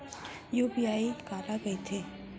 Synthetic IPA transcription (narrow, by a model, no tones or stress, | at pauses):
juːpiaːikaːlaɡɐit̪ʰeː